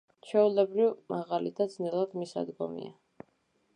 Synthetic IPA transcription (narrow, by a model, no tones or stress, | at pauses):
t͡ʃʰɛulɛbɾivmʔaʁalid̪ad̪znɛlˠad̪misa̰d̪ɡɔ̰mḭa